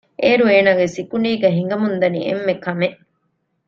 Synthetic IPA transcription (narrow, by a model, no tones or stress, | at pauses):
ʔeːɾueːnaːɡesikuɳiːɡɐɦiŋ̆ɡɐmund̪ɐnḭʔḛmːekɐmeʔ